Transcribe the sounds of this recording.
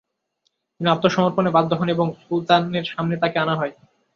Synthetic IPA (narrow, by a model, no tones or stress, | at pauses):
t̪inap̚t̪oʃɔmoɾponebad̪ʱːoɦoneboŋfult̪aneɾʃamnet̪akeanaɦɔe